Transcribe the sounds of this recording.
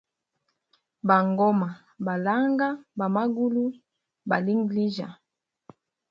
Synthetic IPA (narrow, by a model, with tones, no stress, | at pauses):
ba˨ŋɡɔ˦ma˨ | ba˨la˦ŋɡa˦ba˨ma˦ɡu˦lu˦ | ba̰˨li˦ŋɡli˦ʒa̰˨